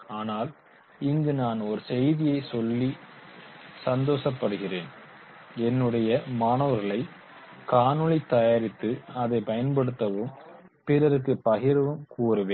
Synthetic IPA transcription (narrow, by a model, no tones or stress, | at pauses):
aːnaːl | ɪŋɡɯnaːnɔɾɯsɛjðɪjɐɪsɔlːi | sɐnd̪oːsɐpːɐɽɯɣɪreːn | ɛnːɯɽɐjɐmaːnoːʋɐɾɣɐɭɐɪ | kaːnɯɭɪt̪ːɐjaːɾɪt̪ːɯɐðɐɪpɐjɐnpɐɽɯt̪ːɐʋɯm | pɪɾɐɾɯkːɯpɐɣɪɾɐʋɯmkuːɾɯʋeːn